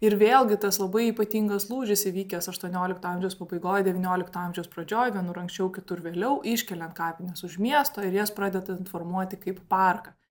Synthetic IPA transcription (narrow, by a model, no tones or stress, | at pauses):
ɪɾʋʲeːlˠɡʲɪt̪ɐslˠɐbɐɪiːpɐt̪ʲiːŋɡɐslˠuːʒʲɪsʲɪʋʲiːkʲɛsɐʃt̪uɔnʲoːlʲɪkt̪oɑmʲʒʲɛʊspɐbɐɪɡoːjd̪ʲɛʋʲiːnʲoːlʲɪkt̪ʊɑmʲʒʲɛʊspɾɐd͡ʒʲoːjʋʲiɛnʊɾɐŋksʲt͡ʃʲɛʊkʲɪt̪ʊɾʋʲeːlʲɛʊʔɪʃʲkʲɛlʲɛnt̪kɑːpʲɪnʲɛsʊʃʲmʲiɛst̪oːɪɾjɛspɾɑːd̪ʲɛd̪ɐɪnfoɾmuɔt̪ʲɪkɐɪppɑrkɐ